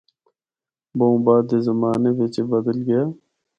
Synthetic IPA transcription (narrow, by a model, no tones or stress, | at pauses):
bõːbaːd̪ezəmaːneːʋet͡ʃebəd̪əlɡəjaː